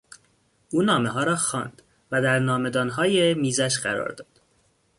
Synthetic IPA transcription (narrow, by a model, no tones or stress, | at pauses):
ʔuːnɒːme̞ɦɒːɾɒːxɒ̰ːnd̪̥ | væd̪æɾnɒːme̞d̪ɒːnɦɒːjemiːzæʃɢæɾɒ̰ːɾd̪ɒ̰ːd̪̥